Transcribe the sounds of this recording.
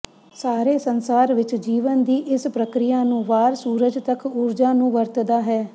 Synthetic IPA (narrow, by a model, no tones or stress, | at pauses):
saːɾeːsənsaːɾʋɪt͡ʃd͡ʒiːʋənd̪iːʔɪspɾəkɾɪjaːnũːʋaːɾsuːɾəd͡ʒt̪əkʊɾd͡ʒaːnũːʋəɾt̪d̪aːɦɛː